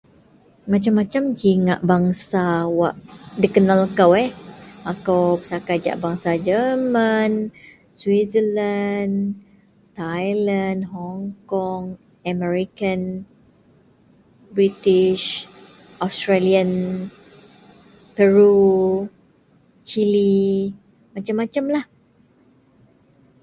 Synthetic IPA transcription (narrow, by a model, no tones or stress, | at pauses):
mãt͡ʃamːãt͡ʃamd͡ʒiŋaʔbaŋsawaʔdikənalkawɛakawpə̥sakad͡ʒa̰ʔbaŋsad͡ʒəman | swizəlan | t̪ajlandɦɔŋkɔŋ | amɛɹikan | bɾit̪iʃ | ʔɔst̪ɾalian | pəɹu | t͡ʃili | mat͡ʃamːat͡ʃamlah